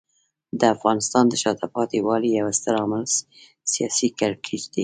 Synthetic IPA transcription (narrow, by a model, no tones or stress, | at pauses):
d̪əafɣɑnɪst̪ɑnd̪əʃɑt̪apɑt̪iwɑlijawast̪əɾɑmalz | sijɑsikaɾkʰid͡ʒd̪e